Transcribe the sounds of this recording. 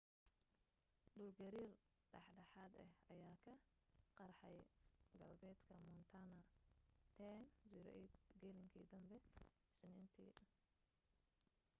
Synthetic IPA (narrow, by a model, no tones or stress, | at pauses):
ɖʊlɡɐɾiːr | ɖɑħɖɐħaːd̪ɛ̰hɐjaːkʰɐ | qɑrħɑjɡɐlbɛːd̪kʰɐmʊnt̪ʰanɐt̪ʰɛnziɾ̰ʔid̪ɡɛlɪŋkʰiːd̪ɐmbɛ | snɛːnt̪ʰḭː